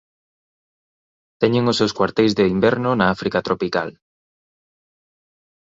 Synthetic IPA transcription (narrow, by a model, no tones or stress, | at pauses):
t̪ɛɲeŋʊsewskwaɾt̪ejzðeimbɛɾnʊnaafɾikat̪ɾopika̰l